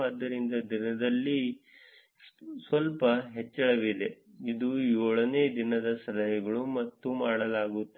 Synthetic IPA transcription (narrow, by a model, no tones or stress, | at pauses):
aːd̪ːɐɾind̪ɐd̪inɐd̪ɐlːi | sʋɐlpɐɦet͡ʃːɐɭɐʋid̪e | id̪ujɔːɭɐne̞ːd̪inɐd̪ɐsɐlɐɦɐɡɐɭumɐt̪ːumaːɽɐlaːɡut̪ːe